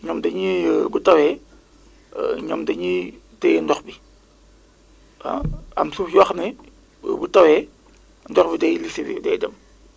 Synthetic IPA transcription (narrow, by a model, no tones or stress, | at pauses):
ɲɔmdɐɲibutɐwɛ | ɲɔmdɐɲitɛjndɔxbi | a̰ɐ̰msufjwɐxnɐ | butɐwɛ | ndɔxbidɛjlisiwḭdɛ̰ːdɐm